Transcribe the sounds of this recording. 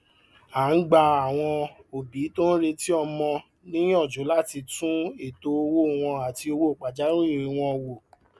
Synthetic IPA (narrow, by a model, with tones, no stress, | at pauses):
a˨˦n̩˦ɡ͡ba˧a˨w̃ɔ̃˧o˨bi˨˦to˦n̩˦ɾe˧ti˦ɔ˧mɔ̃˧ | nĩ˦ĩ˦ɔ˦˨d͡ʒo˨˦la˦ti˧tũ˦e˦˨to˧˦o˧wo˦˨w̃ɔ̃˧a˨ti˧o˧wo˦o˦˨k͡pa˨d͡ʒa˨˦ɾ̃ũ˦i˦˨ɾ̃ĩ˨˧w̃ɔ̃˧wo˨